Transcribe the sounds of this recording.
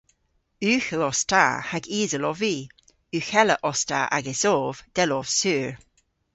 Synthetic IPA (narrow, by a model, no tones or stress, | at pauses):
ʉːxəlɔsta̰haɡiːzəlɔviː | ʉːxɛləʔɔsta̰ʔa̰ɡəsoːv̥d̪̥ɛlɔv̥sʉːɹ